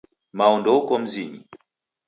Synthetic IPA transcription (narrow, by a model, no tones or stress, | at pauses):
maɔndɔukɔm̩ziɲḭ